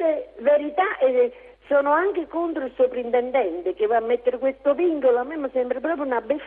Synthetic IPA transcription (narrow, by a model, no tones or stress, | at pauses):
eveɾit̪aʔe | sɔːnoaŋkekont̪ɾoilsopɾint̪ɛnd̪ɛnt̪ekevːamːet̪ːeɾkwest̪oviŋkoloamːemːəsɛmbɾapɾɔːp̬ɾjunabːef